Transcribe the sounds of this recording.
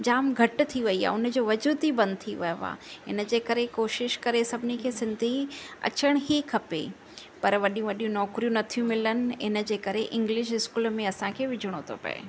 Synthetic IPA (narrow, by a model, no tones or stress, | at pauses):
d͡ʑaːmɡʱɐʈt̪ʰiʋɐia̰ːʊnə̆d͡ʑoːʋɐd͡ʑuːt̪ibɐ̃nd̪̚t̪ʰiʋɐjoʋa̰ːɪ̰nə̆d͡ʑeːkɐɾekoːʃɪʃkɐɾesɐbʱɪnikʰeːsɪ̃nd̪ʱiɐ̰t͡ɕəɽ̃ɦiːkʰɐpḛ | pɐɾʋɐɗijũʋɐɗijũnɔːkɾijũnɐt̪ʰijũmɪlənɪ̆ɪnə̆d͡ʑeːkɐɾeʔɪ̃ŋɡlɪʃ̬ɦɪskuːlmẽɐsãkʰeːʋɪd͡ʑʱʊɽ̃ot̪ʰo̰pɐ̰ḛ